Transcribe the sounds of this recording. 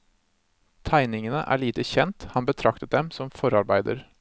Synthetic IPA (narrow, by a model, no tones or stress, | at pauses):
t̪ʰæɪnɪŋənəʔæ̰ːɭiːt̪əçɛnt̪hɑnbət̪ʰɾɑkt̪ət̪̚d̪ɛmsɔmfɔɾɑɾbæɪd̪ə̰ɾ